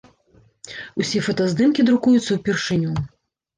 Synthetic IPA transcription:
usʲɛfɐt̪ɐzd̪ɨmkʲid̪ɾukujut̪sːɐwpʲirʂɨnʲu

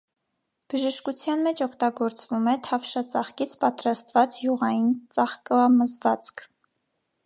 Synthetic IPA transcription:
b̥əʒəʃkut͡sʰjɑnmɛt͡ʃʰɔkʰt̪ɑɡɔɾt͡svumɛt̪ʰɑfʃɑt͡sɑχkit͡sʰpɑt̪ɾɑst̪vɑt͡sjuʁɑjint͡sɑχkməzvɑt͡skʰ

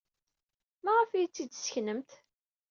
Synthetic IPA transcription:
mæʁəfijt͡sːid̪sə̥çnəmt̪

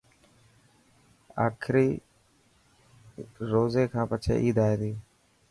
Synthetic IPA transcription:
a̰ːkʰɾiː | ɾoːzeːkʰãːpət͡ʃʰḛːʔiːd̪aːeːt̪iː

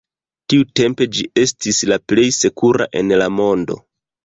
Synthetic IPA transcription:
tiute̞mpe̞d͡ʒie̞stislaple̞jse̞kuɾa̰ʔe̞nlamo̞ndo̞̰

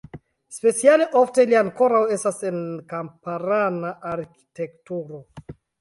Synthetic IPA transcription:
spe̞t͡sialeʔo̞fte̞liaŋko̞ɾawe̞stasenkampaɾanaʔaɾki̥te̞ktuɾo̞

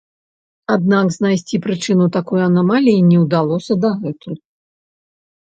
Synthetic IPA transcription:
ad̪̚nakznajsʲt͡sʲipɾɨt͡ʂɨnut̪akɔjuɐnɐmalʲiːnʲɛwd̪alˠɔsʲɐd̪ɐɣɛt̪uj

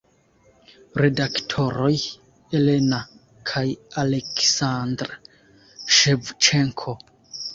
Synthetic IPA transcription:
ɾe̞daktʰo̞ɾo̞j | ele̞na | kʰajale̞ksandɾ | ʃevt͡ʃeŋkʰo̞

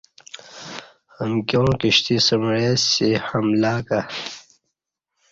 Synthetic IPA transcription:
əmkjõːkiɕt̪isəmɻesihɐmlaːka

